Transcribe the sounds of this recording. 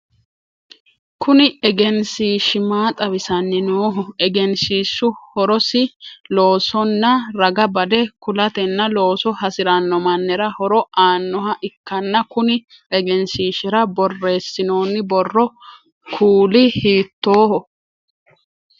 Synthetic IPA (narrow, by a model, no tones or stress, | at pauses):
kʊnɪɛɡɛnsiːʃɪmaːt̪ʼɐβɪsɐnːɪnoːɦɔɛɡɛnsiːsːʊhɔɾɔsɪlo̞ːsɔnːɐɾɐɡɐbɐd̪ɛkʊlɐt̪ɛnːɐlo̞ːsɔhɐsɪɾɐnːɔmɐnːɛɾɐhɔɾɔaːnːɔhɐʔɪkːɐnːɐkʊnɪ | ɛɡɛnsiːʃɪɾɐbɔrːe̞ːsːɪno̞ːnːɪbɔrːɔ | kʰuːlɪhiːt̪ːo̞ːhɔ